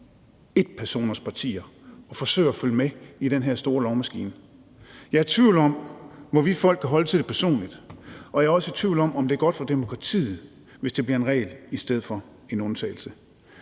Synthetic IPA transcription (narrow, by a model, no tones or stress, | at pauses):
e̝d̥pʰæɐso̝̰ːnɐspʰɑ̈t͡sʰḭːɐɒ̽fɒ̽sø̰ɪɐɒføləmeid̥enɦeɐ̰sd̥o̝ːɐlɒʊmæsɡ̥ḭːn | jɑ̈æɐt͡sʰʋiʊlɒ̽m̰ʋɒʋifɒ̽l̰ɡ̥kʰæɦɒ̽lət͡sʰe̝d̥e̝pʰæɐso̝̰ːnlid̥ʔɒ̽jæɐɒsət͡sʰʋiʊ̰lɒ̽mɒ̽md̥e̝æɐɡ̥ɒ̽d̥fɒ̽d̥e̝mo̝kʰʁɑ̈t͡sʰḭːð̩ˠ | ʋe̝sd̥e̝b̥liɐe̝nʁɛ̰ːɪlisd̥eð̞̰̩ˠfɒ̽ | e̝nɔ̽nt͡sʰɛ̰ɪl̩sə